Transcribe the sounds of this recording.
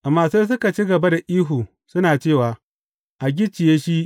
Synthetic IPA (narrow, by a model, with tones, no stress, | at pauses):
ʔa˨mːaː˨seː˦s̬ʊ˦ka˨t͡ʃi˦ɡɐ˨ba˦da˨ʔiː˦ɦuː˨ | sʊ˦naː˨t͡ʃeː˦˨waː˨ | ʔa˨ɡʲɪ˦t͡ʃːɪ˨jeː˦ʃi˦ʔ